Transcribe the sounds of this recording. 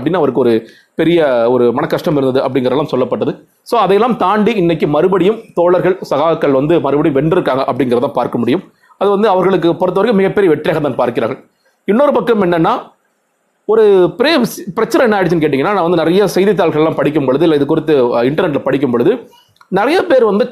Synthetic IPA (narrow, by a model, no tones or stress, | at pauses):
ɐpɐɽɪnːɐʋɐɾɯkːɯɔɾɯ | pɛɾɪjɐɔɾɯmɐnɐkːɐʂʈɐmɪɾɯnɐðɯʔɐpːɐɽɪŋɡɪɾɐɛlːaːmsɔlːɐpːɐʈːɐðɯ | soːɐðɐjɛlːaːmt̪aːɳɖiɪnːɐkːɯmɐɾɯbɐɽɪjɯmt̪oːɭɐɾɣɐɭsɐɣaːɐkːɐɭʋɐnd̪ɯmɐɾɯbɐɽɪjʋɛɳɖɪɾɯkːaːŋɡɐʔɐpːɐɽɪŋɡɪɾɐt̪aːpaːɾkɐmʊɽɪjɯm | ɐðɯʋɐnd̪ɯɐʋɐɾɣɐɭɯk̬ːɯpɔɾɯt̪ːɐʋɐɾkːɯmɪɣɐpːɛɾɪjɐʋɛʈrɪjaːɣɐt̪aːnpaːɾkɪɾaːɾɣɐɭ | ɪnːɔɾɯpɐkːɐmɛnːɛnːaː | ɔɾɯpɪɾɪɐpɪɾɐt͡ʃːɐnɐɛnːaːɽs̬ɐnk̬eːʈɪiŋɐnːaːnaːʋɐnd̪ɯnɪɾɐjɐsɛjðɪt̪̬ːaːlɭɣɐɭɛlːaːmpɐɽɪk̬ːɯmpɔɭɯðɯɪlːɐɪðɯk̬ːʊɾɪt̪ːɯɪɳʈɐɾnɛʈ̬ːlɐpɐɽɪk̬ʲːɯmpɔɭɯðɯ | nɪɾɐjɐpeːɾʋɐnd̪ɯ